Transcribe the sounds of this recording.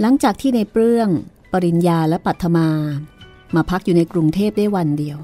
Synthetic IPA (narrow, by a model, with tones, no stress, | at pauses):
la˩˦ŋt͡ɕaː˨˩k̚t̪ʰiː˥˩na˧jpɾɯ˥˩əŋ | pa˧ɾi˧njaː˧lɛ˦˥pa˨˩t̪ʰːa˧maː˧ | maː˧pʰa˦˥k̚juː˨˩na˧jkɾu˧ŋt̪ʰeː˥˩p̚da˥˩jwa˧ndi˧əw